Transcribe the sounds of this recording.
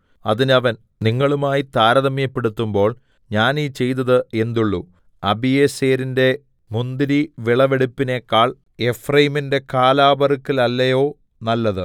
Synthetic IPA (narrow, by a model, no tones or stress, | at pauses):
ɐðinɐʋɐn | niŋːɐɭumaːjit̪aːɾɐðɐmjɐpːe̞ɽut̪ːumbo̞ːɭ | ɲaːniːt͡ɕe̞jt̪̬ɐðɨe̞nd̪uɭːu | ɐbijeseːɾinde̞ | mund̪iɾiʋiɭɐʋeɽipːine̞kːaːɭ | e̞frɐjiminde̞kaːlaːbɐrikːilɐlːɐjo̞ː | nɐlːɐðɨ